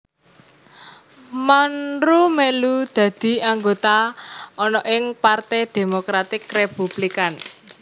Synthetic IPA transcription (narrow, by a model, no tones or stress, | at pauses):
manɾumelud̪̥ä̤d̪̥i̤aŋɡot̪aɔnɔʔɪŋpart̪ɛd̪̥e̤mokɾat̪ɪkrepub̥likan